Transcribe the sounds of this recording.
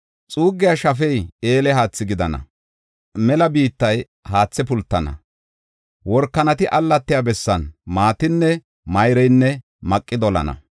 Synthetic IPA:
t͡sʼuːɡːɪjaʃɐfɛje̞ːlɛhaːt͡sːɪɡɪd̪ɐnɐ̰ | mɛlɐbiːt̪ːɐj | haːt͡sːɛpʊlt̪ːɐnɐ̰ | wɔɾkːɐnɐt̪ɪʔɐlːɐt̪ːɪjabɛsːɐnmaːt̪ɪnːɛ | mɐjɾɛjnːɛ | mɐkʼːɪd̪ɔlɐ̰nɐ̰

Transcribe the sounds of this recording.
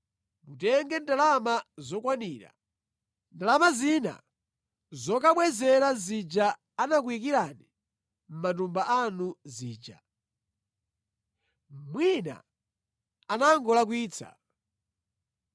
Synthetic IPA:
mutɛŋɡɛndalamazɔkwaniːɾa̰ | ndalamazina̰ | zɔkaɓwɛzɛɾazid͡ʒaː | nak̬wik̬iɾani | m̩matumbaʔanuziːd͡ʒa | mwina̰ | anaŋɡɔlak̬wiːt͡sʰa̰

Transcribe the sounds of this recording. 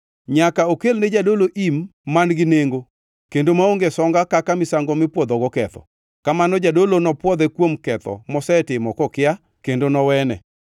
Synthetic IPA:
ɲakaokelned͡ʒadoloʔimːanɡɪneŋɡo | kendomaoŋɡesɔŋɡakakamɪsaŋɡɔmɪpwɔd̪ɔɡɔkɛt̪ɔ̰ | kamanɔd͡ʒadolonɔpwɔd̪ɛkwomkɛt̪ɔ̰mɔsɛtɪmɔkɔkɪja | kendonɔwɛnɛ

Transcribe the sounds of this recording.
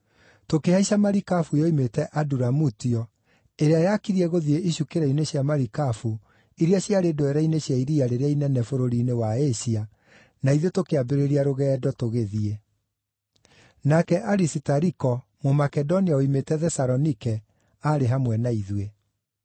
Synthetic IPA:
tokehaiɕamaɾikafujɔimetɛʔaduɾamutiɔ | eɾeajakiɾiɛɣoðieʔiɕukeɾɛineɕjamaɾikafu | iɾiaɕjaɾedoɛɾaineɕjaiɾiaɾeɾeainɛnɛfoɾoɾinewaeɕia | naiðotokeabeɾeɾiaɾoɣɛːdɔtoɣeðie | nakɛʔaɾisitaɾikɔmomakɛdɔniaoimetɛðɛsaɾɔnikɛ | aɾeɦamwɛnaiðwe

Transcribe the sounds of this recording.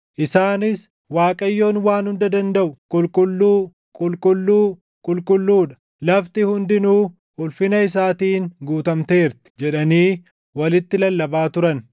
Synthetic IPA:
ʔɪsaːnɪs | waːkʼɐjːo̞ːnwaːnhʊnd̪ɐd̪ɐnd̪ɐʔʊkʼʊlkʼʊlːuː | kʼʊlkʼʊlːuː | kʼʊlkʼʊlːuːᶑɐ̥ | lɐft̪ɪhʊnd̪ɪnuː | ʊlfɪnɐɪs̬aːt̪iːnɡuːt̪ɐmt̪e̞ːɾt̪ɪ̥d͡ʒɛᶑɐniː | wɐlɪt̪ːɪlɐlːɐbaːt̪ʊɾɐn

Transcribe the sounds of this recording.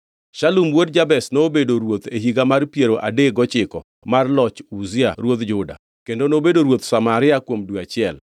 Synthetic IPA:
ʃalumwodd͡ʒabɛsnobedoɾwot̪eɦiɡamarpjeɾoʔa̰deɡɔt͡ʃɪkɔ | marlɔt͡ʃuzɪaɾwod̪d͡ʒʊda̰ | kendonobedoɾwot̪samaɾɪakwomduat͡ʃɪɛl

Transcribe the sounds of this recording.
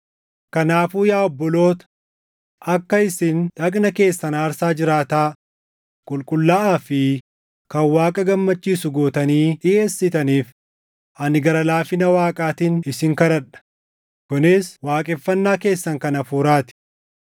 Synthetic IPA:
kɐnaːfuːjaːɔbːɔlo̞ːt̪ɐ̥ | ʔɐkːɐɪsɪnᶑɐkʼnɐke̞ːsːɐnaːɾsaːd͡ʒɪɾaːt̪aː | kʼʊlkʼʊlːɐʔaːfɪ | kɐnwaːkʼɐɡɐmːɐt͡ʃːiːsʊɡoːt̪ɐniːɪe̞ːsːɪt̪ɐniːf | ʔɐnɪɡɐɾɐlaːfɪnɐwaːkʼaːt̪inɪsɪŋkɐɾɐᶑɐ̥ | kʊnɪswaːkʼɛfːɐnːaːke̞ːsːɐŋkɐnɐfuːɾaːt̪ɪ̥

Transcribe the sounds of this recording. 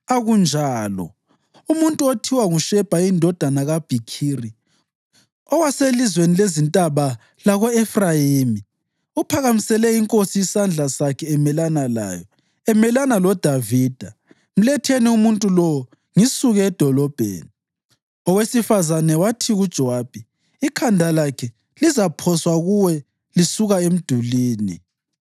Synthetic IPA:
aɣund͡ʒʱaːlɔ̰ | umuntʼuotʰiwaŋuʃɛb̥ʱaindʱɔd̥ʱanaɣab̥ʱikʰiːri | ɔwaselizwenilezintʼaβa | laɣɔɛfrajimi | upʰaɣamisɛlɛiŋkʼosijisand͡ɮʱasakʰɛːmɛlanala̰ːjɔ | ɛmɛlanalɔd̥ʱaviːd̥ʱa | m̩lɛtʰeniumuntʼulɔwɔ | ŋisuɣɛːd̥ʱɔlɔb̥ʱḛːni | ɔwesifazanɛwatʰiɣud̥ʒ̥ʱɔaːb̥ʱiː | kʰandʱalakʰɛ | lizapʰɔswaɣuwɛ | lisuɣaem̩d̥ʱuliːnḭ

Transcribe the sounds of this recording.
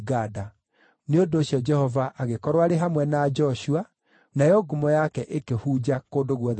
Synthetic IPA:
ɡada | neondoːɕjɔd͡ʒɛhɔvaʔaɣekɔɾwaɾeɦamwɛnad͡ʒɔʃua | najɔɡumɔjakɛʔekehud͡ʑakoːndoɣwɔ

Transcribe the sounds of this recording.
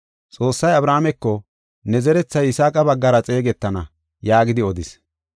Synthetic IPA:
t͡sʼo̞ːsːɐjɐbɾaːmɛkːɔ | nɛzɛɾɛt͡sːɐjɪsaːkʼɐbɐɡːɐɾɐt͡sʼe̞ːɡɛt̪ːɐnɐ | jaːɡɪd̪ɪɔd̪ɪs

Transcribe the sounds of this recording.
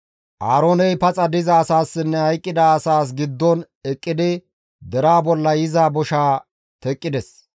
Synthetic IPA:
ʔaːɾoːnɛjpɐt͡sʼɐd̪ɪzɐːsaːsːɪnːɛhɐjkʼːɪd̪ɐːsaːs̬ɡɪd̪ːɔn | ɛkʼːɪd̪ɪ | d̪ɛɾaːbɔlːɐjɪzaːbɔʃaː | t̪ɛkʼːɪd̪ɛs

